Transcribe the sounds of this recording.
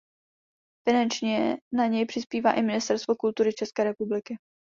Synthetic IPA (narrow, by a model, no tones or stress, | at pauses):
fɪnant͡ʃɲɛnaɲɛjpr̥ɪspiːvaːʔɪmɪnɪst̪ɛɾst̪vokult̪uɾɪt͡ʃɛskɛːɾɛpublɪkɪ